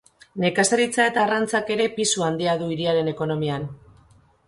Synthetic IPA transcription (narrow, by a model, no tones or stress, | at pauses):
ne̞kasaɾit͡sae̞t̪aːrant͡sake̞ɾe̞pisuand̪iaðuiɾiaɾe̞ne̞ko̞no̞mian